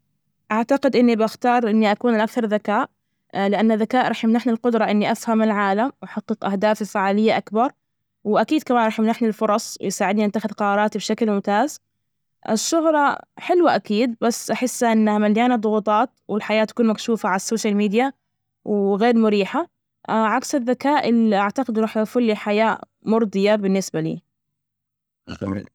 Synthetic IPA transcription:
ʔaʕt̪aqɪd̪ʔɪnːibʔaxt̪ɑːɾˤʔɪnːiʔakuːnalʔakθɑɾˤðakaːʔ | lɪʔanːaðːakaːʔɾˤɑːħjɪmnaħnilqʊd̪ɾˤɑʔɪnːiʔafhamɪlʕaːlamwʔaħɑqːɨqʔahd̪aːfɪfaʕaːlɪjːaʔakbɑɾˤ | wʔakiːd̪̚kamaːnɾˤɑːħjɪmnaħnilfʊɾˤɑsˤwɪ̰jsaːʕɪd̪niʔɪt̪ːaxɪðqɑɾˤɑːɾˤɑːt̪ibʃaklmʊmt̪aːz | ʔɪ̰ʃːʊɣɾˤɑħɪlwaʔakiːd̪̚basːʔaħɪsːʔɪnːahamaljaːnad̪ˤʊɣuːt̪ˤɑːt̪wɪlħajaːt̪ːḁkuːnmakʃuːfaʕalasːoːʃalmiːd̪ja | wɣeːɾmʊɾiːħa | ʕaksaðːakaːʔɪlːiʔaʕt̪aqɪd̪ɪnːɾˤɑːħjafʊlːiħajaː | mʊɾˤd̪ˤɨjabɪnːɪsbalḭː

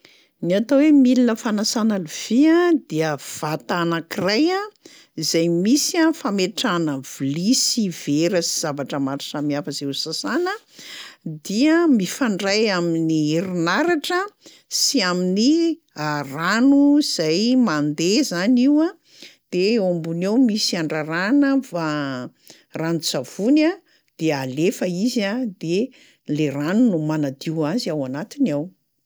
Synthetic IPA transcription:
niat̪owemilinəfanasanəliv̥iad̪iəv̥at̪anakiraja | izajmisiafameʈ͡ʂanəvilisiveɾəsi̥z̥avaʈ͡ʂəmaɾisamiafəzeusasanə | d̪iəmifaɳɖ͡ʐajaminiiɾinaɾaʈ͡ʂə | siamini | aranuz̥ajmand̪ezaniwa | d̪̥eeombunewmisiaɳɖ͡ʐaɾanəfa | ranut͡sav̥una | d̪̥ealefəizad̪e | leranunumanad̪iwaziawanat̪inaw

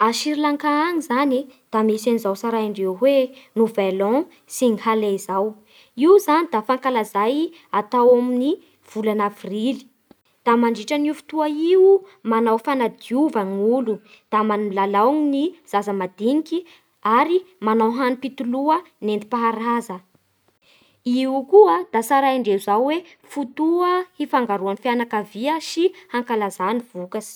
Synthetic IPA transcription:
aʃiɾilaŋkaaŋizanid̪̥amesanizawsaɾaiɳɖ͡ʐewɦwenuvelɔ̃ | siŋihaleizaw | iwzanid̪afaŋkalazaj | at̪awamini | v̥ulanavrili̥ | d̪̥amaɳɖ͡ʐiʈ͡ʂaniufi̥t̪uaiwmanawfanad̪iuvaŋulu | d̪̥amanmilalawŋiniz̥azəmad̪iŋiki | aɾimanawɦanipit̪uluə | nend̪i̥paɦaɾazə | iukuəd̪̥asaɾaiɳɖ͡ʐeuzawwe | fut̪uəhifaŋɡaɾuanifjanakaviəsihaŋkalazaniv̥ukasi̥

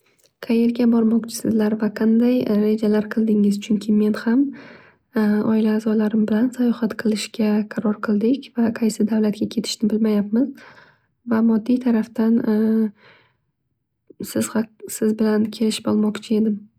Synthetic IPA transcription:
qʰɑje̞ɾɡʲabɒɾmɒqt͡ʃʰɪ̥sɪzlaɾvaqʰɑnd̪ajɾe̞d͡ʒalaɾqʰɨlˠd̪ɪŋɪzt͡ʃʰʊŋkʲʰɪme̞nham | ɒɪlaːzɒlaɾɪmbɪlansajɒhat̪qʰɨlˠɪʃkʲaqʰɑɾɒɾqʰɨlˠd̪ɪkʲvaqʰɑjsɪd̪avlat̪̚kʲakʲʰe̞t̪ʰɪ̥ʃnɪbɪlmajap̚mɪz | vamɒd̪ːijt̪ʰaɾaft̪an | sɪz̥hasɪzbɪlankʲʰe̞lɪʃɪ̥bɒlˠmɒqt͡ʃʰɪe̞d̪ɪm

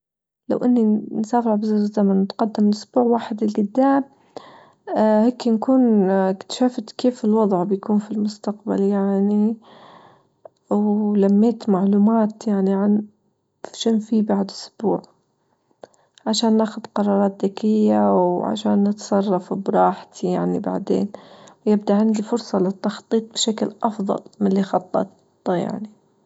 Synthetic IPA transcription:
la̰wʔɪnːinsaːfʕbɪzaːɾɪlzːamanwɪt̪qɑd̪ːɪmɪlʔʊsbuːʕwaːħɪd̪ɪlɡʊd̪ːaːm | heːkːnkuːnɪkt̪ḁʃaːft̪keːfɪlwɑd̪ˤʕbɪjkuːnfilmʊst̪aqba̰ljaʕni | wlamːeːt̪maʕluːmaːt̪jaʕniʕan | fʃɪnfibaʕd̪ʔʊsb̥uːʕ | ʕaʃaːnːaːxʊd̪qɑɾˤɑːɾˤɑːt̪̚ðakɪjːawʕa̰ʃaːnːɪt̪sˤɑrˤːɑfbɾˤɑːħt̪ʰijaʕniba̰ʕd̪ḛːnwjɪbd̪aʕɪnd̪ifʊɾsˤɑlɪt̪ːɑxt̪ˤːiːt̪̚ˤb̥ʃaklʔɑfðˤɑ̰lmɪnlixɑt̪ˤːɑ̰t̪ː | ja̰ʕni

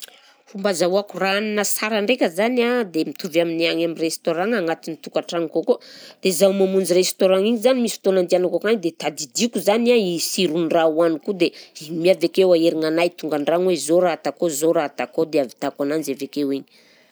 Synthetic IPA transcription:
fumbazauakuraninəsaɾaɳɖ͡ʐekʲəzanad̪emit̪uvamineaŋamirest̪oɾaŋaŋat̪init̪ukaʈ͡ʂaŋikokod̪̥ezawmamund͡ʒirest̪oɾaŋiɲizanimisi̥t̪onand̪ianakokaɲid̪et̪ad̪id̪ikuzanaisiɾunrawanikud̪emiavekewaeɾiŋanajt̪uŋɡaɳɖ͡ʐaŋwezoɾaat̪akozoɾat̪akod̪eavi̥t̪akananzavekewiɲi̥

